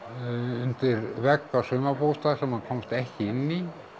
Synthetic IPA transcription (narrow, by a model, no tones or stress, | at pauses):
ʏnt̪ɪɾvɛkːasœːmapust̪asɛmːakʰɔmst̪ɛhcɪɪnːi